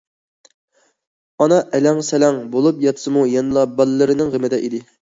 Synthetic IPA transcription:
ɑnɑʔɛlɛŋsɛlɛŋbolˠupjɑt̪ʰɨ̥sɨmujɛnɨlˠɑbælːɨɾɪnɪŋʁəmɪd̪ɛʔid̪ɪ

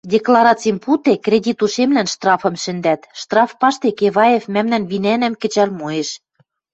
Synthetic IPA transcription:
dʲeklɑɾɑt͡siəmput̪ekrʲedʲit̪uʃemlænʃt̪rɑfɤ̆mʃɘ̆nd̪æt̪ʃt̪rɑfpɑʃt̪ekeβɑjefmæmnænβinænæmkɘ̆t͡ɕælmoeʃ

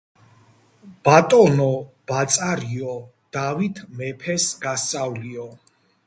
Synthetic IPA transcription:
b̥at̪ʼɔnɔ | b̥at̪sʼaɾiɔd̪̥avit̪ʰmɛpʰɛsɡasavliɔ

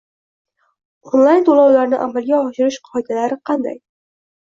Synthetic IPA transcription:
onlˠajnt̪ʰolˠɒwlaɾnɪʔa̰malˠɡʲaɒʃɪɾɪʃqʰɒjd̪alaɾɪqʰɑnd̪a̰j

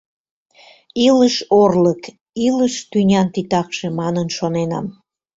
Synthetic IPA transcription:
iləʃorlək | iləʃt̪ynʲɑnt̪it̪ɑkʃemɑnənʃonenɑ̰m

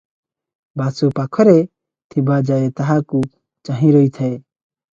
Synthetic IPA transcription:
basupakʰɔɾɛ | t̪ʰibad͡ʒajet̪aɦaku | t͡ʃaɦĩɾojt̪ʰae

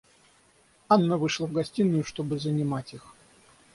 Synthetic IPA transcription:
anːəvɨʂlˠəvɡɐsʲtʲinːʊjʊʂt̪o̞bɨzənʲɪmatʲix

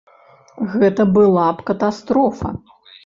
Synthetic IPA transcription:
ɣɛt̪ɐbɨlˠapkɐt̪ast̪ɾɔfɐ̰

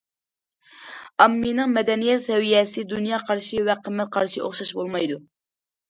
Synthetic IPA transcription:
ɑmːinɨŋmɛd̪ɛnijɛt̪sɛwijɛsɪd̪unjɑːqʰɑɾʃivɛqʰəmːɛt̪̚qʰɑɾʃiʔo̰χʃɑʃbolˠmɑjd̪u

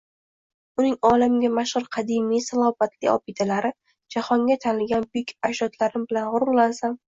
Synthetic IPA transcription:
ʊnɪŋɒlɪmɡʲamaʃʁʊɾqʰɑd̪ɪmijsalˠɒbat̪ʰlɪɒ̰bɪd̪alaɾɪ | d͡ʒahɒŋɡʲat̪ʰanɪlɡʲanbɪkʲʰaʃɾɒt̪laɾɪmbɪlanʁʊɾɾlansam

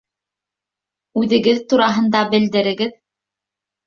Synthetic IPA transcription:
ʉðɘ̆ɡɘðt̪uɾɑɦɤ̆nd̪ɑbɘ̆ld̪ɘ̆ɾɘ̆ɡɘð

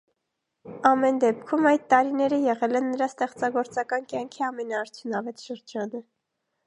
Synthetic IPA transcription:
ɑmɛnd̪ɛpkʰumɑjt̪t̪ːɑɾinɛɾəjɛʁɛlɛnːəɾɑst̪ɛχt͡sɑɡɔɾt͡sɑkɑnkjɑŋkʰiɑmɛnɑːɾt͡sʰjunɑvɛt̪ʃəɾd͡ʒɑnə

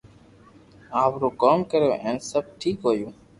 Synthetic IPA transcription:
aːʋɾuːkoːmkəɾoːʔɛ̃ːnsəb̚ʈʰiːkɦoːjõː

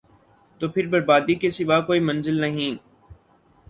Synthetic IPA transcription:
t̪oːpʰɪɾbɐɾbaːd̪ikesɪʋaːkoːimɐ̃nzɪlnɐɦĩː

